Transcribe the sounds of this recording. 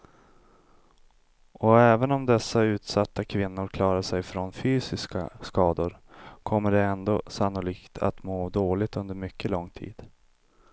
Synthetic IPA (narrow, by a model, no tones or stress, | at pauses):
ʔɔɛːvənɔmd̪ɛsːaʉ̟ːt̪sat̪ːakʰvɪnːʊɾkʰlɑːɾaʂɛjfɾɔnfyːsɪska̰skɑːd̪ʊɾkʰɔmːəɖɛɛnd̪oːsanːʊliːkt̪ʰa̰t̪moːd̪oːlɪt̪ɵnd̪əɾmʏkʰːəlɔŋːt̪ʰḭːd̪̥